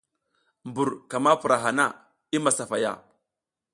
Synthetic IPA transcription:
mbu˨ɾka˨ma˦pu˨ɾa˨ɦa˨na˦˨ | i˦ma˨sa˨fa˨ja̰˦˨

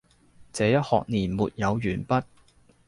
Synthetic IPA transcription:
t͡sɛː˨˧jɐ˥t̚hɔ̰ː˨k̚niː˨˩nmuː˨t̚jɐ˨˧wjyː˨˩npɐ˥t̚

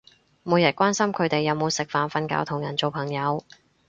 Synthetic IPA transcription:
mo˨˧wjɐ˨t̚kʷwaː˥nsɐ˥mkʰɵ˨˧ɥt̪e˨jːɐ˨˧wmo˨˧wsɪ˨k̚faː˨nfɐ˧nka̰ː˧˥wt̪ʰʊ˨˩ŋjɐ˨˩nt͡so˨wpʰɐ˨˩ŋjɐ˨˧w

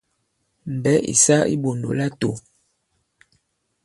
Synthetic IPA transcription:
m̩˨bɛ˦ʔḭ˨sa˦ḭ˦bo˨ndo̰˨la˦to˨

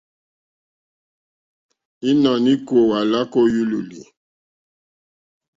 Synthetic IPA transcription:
i˦na˨ni˦ko˨wa˨la˦ko˦ju˦lu˨lḭ˨

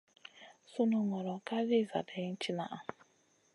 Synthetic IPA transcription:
sʊ˦nʊ˨ŋɔ˨ɾɔ˨ka˦li˦˨za̰˨de˨˦n̩˦t͡ʃi˦na̰˨ʔa˨

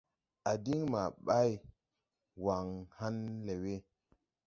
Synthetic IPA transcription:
a˨di˦ŋma˨ɓa˦j | wa˨ŋha˦nle˨we˦

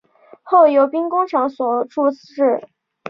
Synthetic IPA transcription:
xo˥˩ʊjo˧˥ʊpi˥ŋkʊ˥ŋʈ͡ʂʰɑ˧˥ŋswɔ˨˩ʈ͡ʂu˥˧ | ɻ̩˥˩

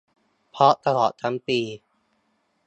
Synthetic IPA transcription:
pʰɔ˦˥t̪a˧lɔː˨˩t̪̚ʰːa˦˥mpiː˧

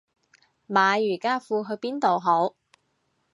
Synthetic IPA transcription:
maː˨˧jyː˨˩kaː˥fuː˧ɦɵ˧ɥpiː˥nt̪o˨wɦo˨˥w

